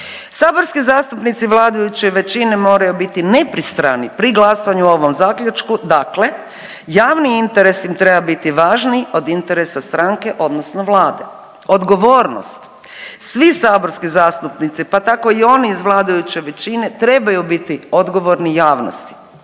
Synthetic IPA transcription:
saːbo̞ɾskizaːst̪upnit̪siʋlˠaːd̪ajut͡ɕe̞ʋe̞t͡ɕine̞mo̞ːɾajubit̪ine̞pɾist̪ɾa̰nipɾiɡlˠasaɲuo̞ʋo̞mzaːkʎut͡ʃkud̪akle̞ | jaːʋniint̪eɾe̞sjimt̪ɾe̞babit̪iʋaːʒnio̞d̪int̪e̞ɾesast̪ɾaŋke̞ʔo̞d̪nosnoʋlˠaːd̪e̞̰ | o̞d̪ɡo̞ʋo̞ːɾno̰st̪ | sʋisaːbo̞ɾskizaːst̪upnit̪sipat̪ako̞io̞ːniizʋlˠaːd̪ajut͡ɕe̞ʋe̞t͡ɕine̞t̪ɾe̞bajubit̪io̞d̪ɡo̞ʋo̞ɾnijaːʋno̰st̪i̥

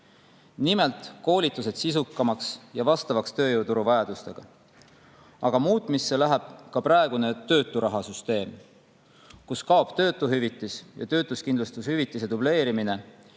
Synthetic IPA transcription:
nime̞lt̪ˑko̞ːlʲit̪ːˑus̬e̞d̪̥sisukːˑɑmɑksjɑvɑst̪ɑvɑkst̪ø̞ːjuwt̪uɾuvɑjɑd̪̥ust̪e̞ɡ̥ɑ̰ | ɑɡ̥ɑmuːt̪ˑmisːe̞læɦæb̥̚kɑpɾɑe̞ɡ̥une̞t̪ø̞ːt̪ːˑuɾɑɦɑsyst̪e̞ːm | kuskɑob̥t̪ø̞ːt̪ːˑuɦyvit̪ːˑisjɑ̰t̪ø̞ːt̪ːˑuskind̪lust̪ushyvit̪ːˑise̞d̪uble̞ːɾimine̞

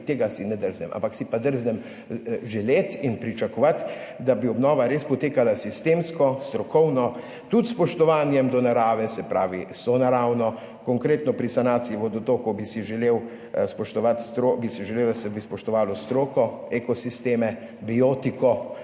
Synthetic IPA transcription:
t̪eːɡasinɛd̪əɾznɛmʔa̰mpaksipad̪əɾznɛm | ʒɛleːt̪inpɾit͡ʃakɔʋat̪d̪abiɔbnɔːʋaɾeːspɔt̪eːkalasist̪eːmskɔst̪ɾɔkʰɔwnɔ | t̪ut̪spɔʃt̪ɔʋaːnjɛmd̪ɔnaɾaːʋɛsɛpɾa̰ːʋisɔnaɾawnɔ | kɔŋkɾeːt̪nɔpɾisanaːt̪sijɛʋɔd̪ɔt̪okɔbisiʒɛleːw | spɔʃt̪ɔʋat̪st̪ɾobisiʒɛleːwlasɛbispɔʃt̪ɔʋaːlɔst̪ɾoːkɔ | ekɔsist̪eːmɛ | bioːt̪ikɔ

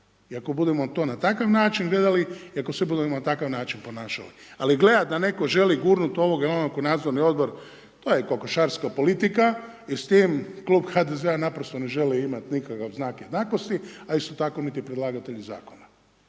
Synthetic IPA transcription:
iako̞bud̪e̞mot̪o̞ːnat̪akaʋnaːt͡ʃinɡled̪aliiako̞sʋibud̪emonat̪akaʋnaːt͡ʃinpo̞naːʃa̰lḭaliɡle̞d̪ad̪ane̞ko̞ʒe̞liɡuːɾnut̪o̞ʋo̞ɡajelonakonaːd̪zo̞ɾnio̞d̪̚bo̞ɾ | t̪oːjekokoʃaːɾskapo̞lit̪ikaist̪iːmkluːbxad̪ezeanapɾost̪o̞ne̞ʒe̞liimat̪nikakaʋznaːkjed̪naːko̞st̪iaist̪o̞t̪ako̞nit̪ipɾed̪lˠaːɡot̪eʎiza̰ːko̞na

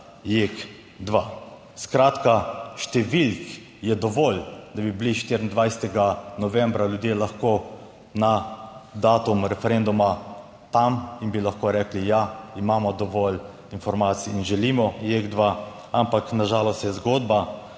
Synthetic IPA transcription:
jek | d̪ʋa | skɾaːt̪kaʃt̪ɛʋilk | jɛd̪ɔʋɔld̪abibliʃt̪iɾənd̪ʋajsɛt̪ɛɡanɔʋɛmbɾaljud̪jeːlaxko | nad̪aːt̪umɾɛfɛɾend̪uma | t̪aminbilaxkoːɾɛːklijaimaːmɔd̪ɔʋɔl | infɔɾmaːt̪sijːnʒɛliːmɔjeɡd̪ʋa | ampaknaʒaːlɔst̪jɛzɡoːd̪ba

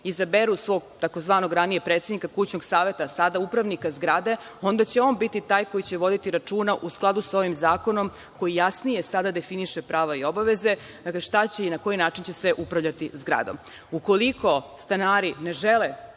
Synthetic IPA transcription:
izabeɾusʋo̞ːɡt̪ako̞zʋaːno̞ɡɾaniepɾet̪sed̪nikakut͡ɕno̞ɡsaːʋe̞t̪asad̪aupɾaʋnikazɡɾad̪e̞ | o̞nd̪at͡ɕe̞o̞ːnbit̪it̪aːjko̞jit͡ɕe̞ʋo̞d̪it̪iɾat͡ʂuːnaʔusklˠad̪uso̞ʋimzaːko̞nom | ko̞jijasnijesad̪ad̪e̞finiʃepɾaːʋaio̞baʋe̞ze̞ | d̪akleʃt̪at͡ɕe̞inako̞inaːt͡ʃint͡ɕe̞sʋeʔupɾavʎat̪izɡɾa̰d̪o̞̰m | uko̞likʰo̞st̪anaːɾineʒele

